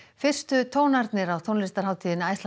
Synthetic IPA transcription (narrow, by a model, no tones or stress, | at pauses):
fɪr̥st̪ʏt̪ʰoːwnaɾt̪nɪɾawθʰownlɪst̪aɾ̥ɦaːwt̪ʰiːðɪnaːjst̪l